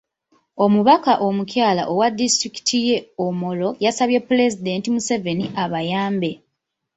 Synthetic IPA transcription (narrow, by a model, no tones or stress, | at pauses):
o̞muβakaʔo̞mucjaːla̰ʔowadːistɾiki̥tʰije̞omo̞lo̞jasaβje̞pule̞zide̞ːntimuse̞ve̞niʔaβajaːmbe̞